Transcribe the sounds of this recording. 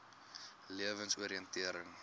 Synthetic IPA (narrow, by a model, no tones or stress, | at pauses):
liəvənsuəɾiəntiəɾəŋ